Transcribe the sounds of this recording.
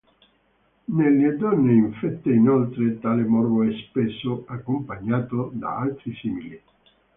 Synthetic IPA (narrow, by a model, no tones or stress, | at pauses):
nelːed̪ɔnːeiɱfɛt̪ːeinɔlt̪ɾet̪aːlemɔrvoɛspesːoakːompaɲːaːt̪od̪a̰alt̪ɾisimili